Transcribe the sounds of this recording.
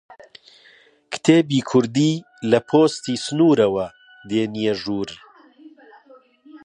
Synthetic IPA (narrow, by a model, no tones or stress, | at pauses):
kt̪ʰeːbiːkʰʊɾd̪iː | lɐpʰoːst̪iːsnuːɾɐwɐ | d̪eːnijeʒuːɾ